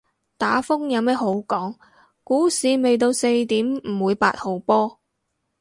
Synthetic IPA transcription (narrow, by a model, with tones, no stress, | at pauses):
t̪aː˨˥fʊ˥ŋjɐ˨˧wmɛː˥ho˨˥wkɔː˨˥ŋ | kuː˨˥siː˨˧me˨jt̪̬o˧wse˧jt̪iː˨˥mm̩˨˩wuː˨˧jpa̰ː˧t̚ho˨wpɔː˥